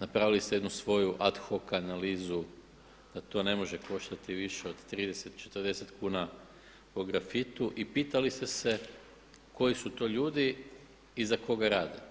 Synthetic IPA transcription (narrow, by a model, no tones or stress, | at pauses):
napɾaʋilist̪eed̪nusʋo̞juʔat̪xo̞kanaliːzu | d̪̥at̪o̞ːne̞mo̞ʒe̞ko̞ʃt̪at̪iʋiʃeo̞d̪t̪ɾiːd̪e̞se̞t̪t͡ʃet̪ərd̪e̞se̞t̪kuːna | poɡɾafit̪uʔipiːt̪alist̪e̞se̞ | ko̞jisut̪o̞ːʎuːd̪i | izako̞ɡaɾaːd̪e